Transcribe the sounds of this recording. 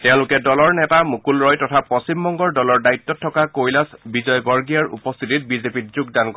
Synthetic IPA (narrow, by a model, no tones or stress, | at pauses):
tɛʊ̃lʊkɛdɔlɔɹnɛtamukulɹɔjtɔtʰapɔsimbɔŋɡɔɹdɔlɔɹdaitːɔtʰːɔkakojlasbizɔjbɔɹɡiaɹṵpɔst̪ʰitit̚bizepit̚zuɡ̚dankɔ